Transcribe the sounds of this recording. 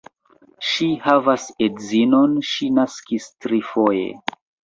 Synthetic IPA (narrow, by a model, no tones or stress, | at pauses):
ʃihavasedzino̞nʃinaskistɾifo̞jḛ